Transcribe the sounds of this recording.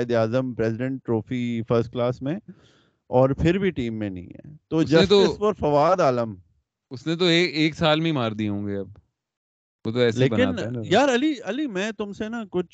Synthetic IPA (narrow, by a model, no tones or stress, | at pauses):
ɪd̪aːzəmpɾɛːzɪɖə̃ɳʈːɾoːfiːfəɾsʈ̚klaːsmẽ | ɔːɾpʰɪɾbʱiʈiːmːẽnɐ̰ḭ̃ɦɛ̰ːt̪oːʊd͡ʒɐst̪oɪspɔɾfɐʋaːd̪aːləm | ʊsnẽt̪̬oeːkeːksaːlmẽĩmaːɾd̪iɦõːŋɡeɐb̚ | ʋoːt̪̬oɛːsleːbɐnɪaːnjaːɾɐliɐlimɛ̃ːt̪ʊmsenakʊt͡ʃʰ